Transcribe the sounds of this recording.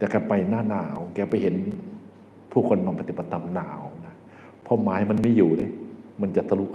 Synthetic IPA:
t̪ɛː˨˩ka˧˩pa˧˩jnaː˧˩˨naː˨˩˦wkɛː˧˩pa˧˩jɦe˨˦n | pʰuː˥˩kʰo˧nːɔː˧˩pʰa˧t̪i˧˩ba˧˩t̪ʰːa˧mnaː˩˦wna˧˥ | pʰɔ˧˥maː˨˦ha˧˨jma˧˥nmiː˧˥˨juː˨˩dɯ˧˩˨ma˧˥˨nt͡ɕa˨˧˩sʰa˧lu˧˥k

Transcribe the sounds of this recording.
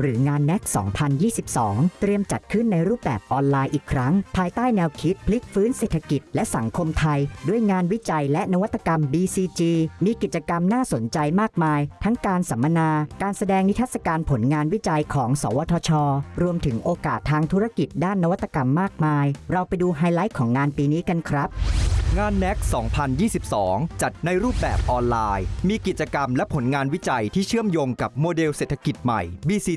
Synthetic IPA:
ɾɯː˩˦ŋaː˧nːɛ˦˥k̚sɔ̰ː˩˦ŋpʰa˧njiː˥˩si˨˩p̚sɔ̰ː˩˦ŋt̪ɾi˧əmt͡ɕa˨˩t̪̚kʰɯ˥˩nːa˧jɾuː˥˩p̚bɛ̰ː˨˩p̚ʔɔː˧nlaː˧jʔiː˨˩kʰɾa˦˥ŋpʰaː˧jt̪aː˥˩jnɛː˧wkʰi˦˥t̪̚pʰli˦˥k̚fɯː˦˥nseː˨˩t̪ʰa˧ki˨˩t̪̚lɛ˦˥ʔsa˩˦ŋkʰo˧mt̪ʰa˧jdu˥˩əjŋaː˧nwi˦˥t͡ɕa˧jlɛ˦˥na˦˥wa˥t̪ʰːḁ˧ka˧mbiː˧siː˧t͡ɕiː˧miː˧ki˨˩t̪̚t͡ɕa˧ka˧mnaː˥˩so˨˩˦nt͡ɕa˧jmaː˥˩k̚maː˧jt̪ʰa˦˥ŋkaː˧nsa˩˦mːa˧naː˧kaː˧nsa˧dɛː˧ŋni˦˥t̪ʰa˦˥t̪sa˧˩kaː˧npʰo˩˦nŋaː˧nwi˦˥t͡ɕa˧jkʰɔː˩˦ŋsɔ̰ː˩˦wɔː˧t̪ʰɔː˧t͡ɕʰɔː˧ɾu˧əmt̪ʰɯ˩˦ŋʔoː˧kaː˨˩t̪ʰːaː˧ŋt̪ʰu˦˥ɾa˥˩ki˨˩t̪̚daː˥˩nːa˦˥wa˦˥t̪ːa˧ka˧mːaː˥˩k̚maː˧jɾa˧wpa˧jduː˧ɦaː˧jla˦˥jkʰːɔː˩˦ŋŋaː˧npiː˧niː˦˥ka˧nkʰɾa˦˥p̚ŋaː˧nːɛ˦˥k̚sɔː˩˦ŋpʰa˧njiː˥˩si˨˩p̚sɔː˩˦ŋt͡ɕa˨˩t̪̚na˧jɾuː˥˩p̚bɛː˨˩p̚ʔɔː˧nlaː˧jmiː˧ki˨˩t̪̚t͡ɕa˧ka˧mlɛ˦˥pʰo˩˦nŋaː˧nwi˦˥t͡ɕa˧jt̪ʰiː˥˩t͡ɕʰɯ˥˩əmjoː˧ŋka˨˩p̚moː˧de˧wseː˨˩t̪ʰa˧ki˨˩t̪̚ma̰˨˩jbiː˧siː˧

